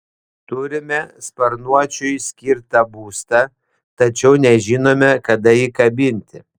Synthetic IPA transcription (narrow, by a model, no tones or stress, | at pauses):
t̪ʊɾʲɪmʲɛspɐɾnuɔt͡ʃʲʊjsʲkʲɪɾt̪ɐbuːst̪ɐ | t̪ɐt͡ʃʲɛʊnʲɛʒʲɪnoːmʲɛkɐd̪ɐjiːkɐbʲɪnʲt̪ʲɪ